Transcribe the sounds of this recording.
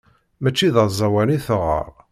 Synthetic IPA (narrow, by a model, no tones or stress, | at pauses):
mæt͡ʃːiðəðˤzˤɑwæniθəʁə̰ɾˤ